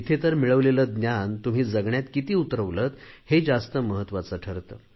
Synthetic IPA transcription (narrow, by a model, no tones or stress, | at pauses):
it̪ʰet̪əɾmiɭəʋleləːd̪njant̪um̤iːd͡zəɡɳjat̪kit̪iːut̪ɾəʋlət̪hed͡zast̪əməɦət̪ːʋat͡səʈʰəɾt̪ə